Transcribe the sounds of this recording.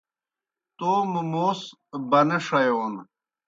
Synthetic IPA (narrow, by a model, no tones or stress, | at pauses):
t̪oːmumoːs | bɐneʂɐjon